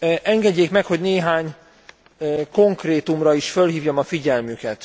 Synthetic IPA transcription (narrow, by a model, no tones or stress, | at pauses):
ʔɛŋɡɛɟːeːkmɛkho̞ɟneːɦaːɲ | ko̞ŋkreːt̪umrɒiʃfø̞lɦiːvjomɒfiɟɛlmykɛt̪